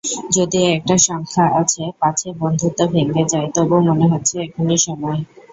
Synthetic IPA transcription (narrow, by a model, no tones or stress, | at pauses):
d͡ʑod̪iɛk̚ʈaʃɔŋkʰaʔat͡ɕʰepat͡ɕʰebond̪ʱut̪abʱeŋɡed͡ʑajt̪oebomoneɦotːɕʰeɛkʰoniɾʃɔmɔe